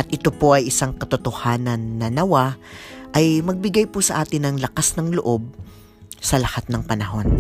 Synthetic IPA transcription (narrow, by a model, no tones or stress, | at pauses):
ʔɐt̪ʔɪt̪o̞po̞ʔɐjʔɪsaŋkɐt̪ot̪ohaːnɐnːɐnɐwaʔɐjmɐɡ̚bɪɡajposɐʔaːt̪ɪnɐŋlɐkasnɐŋloʔo̞b̚ | sɐlɐhat̪̚nɐŋpɐnɐɦo̞n